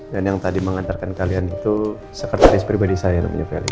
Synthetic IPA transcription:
danjaŋt̪adiməŋant̪arkankalianit̪u | səkərt̪aɾɪspɾibadisajana̰ma̰ɲakalḭ

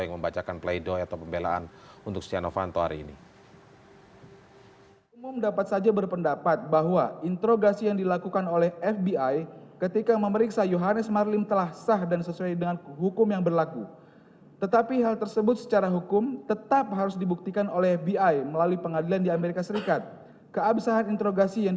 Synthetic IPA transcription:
jaŋməmbat͡ʃakanpleidɔat̪awpəmbela̰ʔa̰n | unt̪ʊk̚sia̰no̰fa̰nt̪oɦa̰ɾḭːnḭ | umʊmdapat̪sad͡ʒabərpəndapat̪̚baɦwaint̪əɾoɡasijaŋdilakukanolɛhɛfbiajkət̪ikaməməɾiksajoɦanəsmarlɪmt̪əlahsahdansəsuajdəŋanɦukʊmjaŋbərlaku | t̪ət̪apiɦalt̪ərsəbʊt̪̚sə̥t͡ʃaɾaɦukʊmt̪ət̪ap̚ɦaɾʊsdibuk̚t̪ikanolɛɦɛfbiajməlaluipəŋadilandiameɾikasəɾikat̪̚ | kəabsaɦanint̪əɾoɡasijaŋ

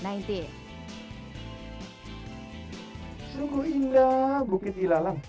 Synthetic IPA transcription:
naint̪i | suŋkuiŋdabukɪt̪̚ilalaŋ

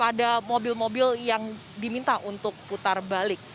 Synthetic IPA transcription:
padamobɪlmobɪljaŋ | dimint̪aʔunt̪ʊk̚put̪arbalɪk̚

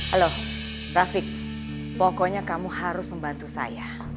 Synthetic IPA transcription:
halo | rafɪk̚ | pɔkɔɲakamuhaɾʊsməmbant̪usa̰ja

